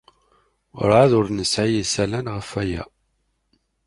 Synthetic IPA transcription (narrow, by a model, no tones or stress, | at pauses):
ɾʕaðʊɾnəsʕijəsælænʁəfæjæ̰